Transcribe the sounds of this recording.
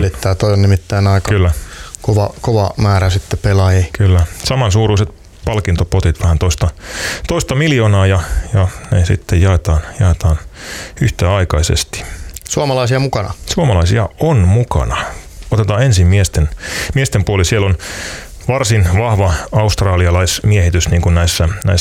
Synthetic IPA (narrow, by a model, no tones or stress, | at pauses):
lit̪ːæːt̪oionnimit̪ːæinɑikɑkylːækoʋɑkoʋɑmæːɾæsit̪ːepelɑjikylːæsɑmɑnsuːruiset̪ | pɑlkint̪opot̪it̪ʋæhænt̪oist̪ɑt̪oist̪ɑmiljoːnɑːjɑjɑnesḭt̪ːejɑet̪ɑːnjɑet̪ɑːnyht̪æːɑikɑisḛst̪i̥suɑmɑlɑisiɑmukɑnɑ̰suɑmɑlɑisiɑonmukɑ̰nɑot̪et̪ɑːensimmiest̪enmiest̪empuolisielon | ʋɑrsinʋɑhʋɑɑust̪rɑːliɑlɑismiehit̪ysniːŋkunnæisːænæ̰i